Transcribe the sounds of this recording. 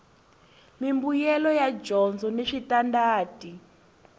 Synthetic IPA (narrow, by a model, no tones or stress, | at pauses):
mimbujɛlɔjad͡ʒɔnd͡zɔneʂitandaːti